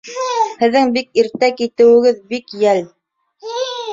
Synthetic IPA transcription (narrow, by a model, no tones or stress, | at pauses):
hɘ̆ðːɘŋbikiɾt̪ækit̪ɘ̆wɘ̆ɡɘðbikjæl